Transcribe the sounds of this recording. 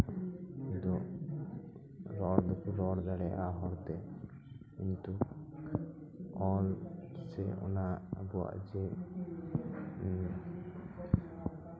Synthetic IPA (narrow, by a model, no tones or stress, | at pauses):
kind̪u | ɾɔɽd̪ɛkʰuɾɔɽd̪ɛɽɛʔaɦɔɾt̪ɛ | kint̪u | ɔlsɛ̰ɔ̰nabuwa̰ʔd͡ʒɛ